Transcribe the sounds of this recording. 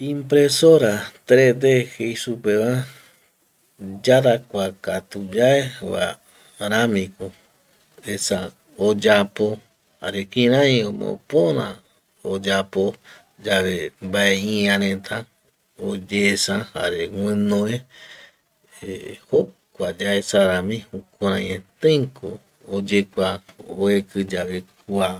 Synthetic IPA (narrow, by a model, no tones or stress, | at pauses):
ĩmpɾesoɾat̪ɾed̪ehejsupeβã | d͡ʒaɾakʷakat̪ud͡ʒaeβa̰ | ɾãmĩko | esa | od͡ʒapo | ha̰ɾekĩɾ̃ãj̃õmõ̰põɾã̰ | od͡ʒapo | d͡ʒaβembaeĩãɾẽt̪ʰã | od͡ʒesãha̰ɾewɨ̃nõe | eho | kʷad͡ʒaesaɾãmĩhukoɾãjẽt̪ẽŋko | od͡ʒekʷaoekɨd͡ʒaβekʷa